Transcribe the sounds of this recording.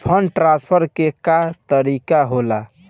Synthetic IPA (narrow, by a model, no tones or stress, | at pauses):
pʰəɳɖʈɾãnspʰəɾkekat̪əɾikaɦola